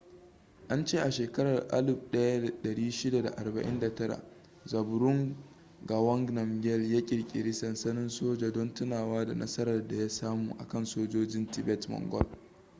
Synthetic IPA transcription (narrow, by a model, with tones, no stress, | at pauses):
ʔa˦nt͡ʃeː˦˨ʔa˨ʃeː˨kɐ˦ɽɐ˨rʔa̰˦lʊ˨b̚ɗɐ˦ja˦˨ɗɐ˨ɽiː˦ʃɪ˦da˨da̰˨ʔa˨rbɐ˨ʔɪ̰˦nda˨tɐ˦ɽa̰˨ | zɐ˨bʊ˨ɾʊ˦ŋ | ɡa˨wɔ˦ŋɡnɐ˨mɡʲɛ˦ljaː˦kʲʼɪ˨ɽkʲʼɪ̰˨ɾi˦sɐ˨nsɐ˦nɪ˦nsoː˦d͡ʒaː˨dɔ˦ntʊ˦naː˨waː˦da̰˨nʔɐ̰˦sɐ˦ɾɐ˨rda˨ja˦saː˦muː˨ʔa̰˨kɐ˦˨nsoː˦d͡ʒoː˦d͡ʒɪ˦ntɪ˨bɛ˦tmɔ̰˨ŋɡɔ̰˦l